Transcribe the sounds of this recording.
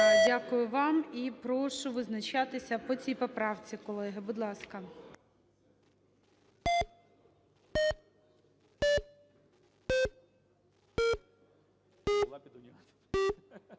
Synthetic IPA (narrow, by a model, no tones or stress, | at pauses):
dʲakʊjʊʋɑmipɾɔʃʊʋɪznɐt͡ʃɑt̪ɪsʲɐpɔt͡sʲijpɔpɾɑwt͡sʲikɔlˠɛɦɪbʊd̪lˠɑskɐ